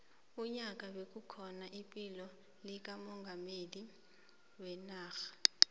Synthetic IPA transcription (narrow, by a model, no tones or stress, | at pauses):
uɲak̬ʼawek̬ʼukʰɔnaʔipʼilɔ | lik̬amɔŋɡʱameli | wɛnaːxḁ